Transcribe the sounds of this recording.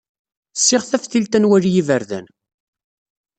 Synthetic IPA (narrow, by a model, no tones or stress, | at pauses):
sːɪʁθæfθilt̪ænwærjivəɾðæ̰n